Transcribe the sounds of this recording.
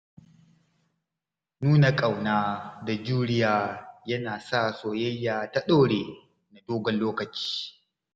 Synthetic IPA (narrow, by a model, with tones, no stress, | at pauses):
nuː˦na˨kʼa˨wnaː˦da˨d͡ʒuː˦ɾɪ˦jaː˦˨jɐ˦naː˨sa˦soː˨jɐ˦jːaː˨ta˦ɗoː˦ɽeː˨ | na˨doː˦ɡɔ˨nloː˦kɐ˨t͡ʃi̥ː˦